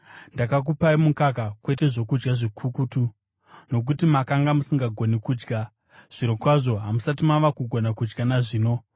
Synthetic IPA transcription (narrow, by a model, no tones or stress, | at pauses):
ndakak̬upaimukakakwe̞te̞ʐo̞kud͡ʒɡaʐikʰukutu | no̞k̬utimakaŋɡamusiŋɡaɡʱo̞nikuːd͡ʒɡa | ʐ̥iɾokwaʐo̞ɦamusatimaʋakuɡʱonakud͡ʒɡanaʐiːno̞